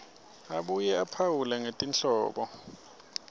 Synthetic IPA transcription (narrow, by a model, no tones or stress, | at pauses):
aɓujɛapʰawulɛŋetʼinɬɔ̰ːɓɔ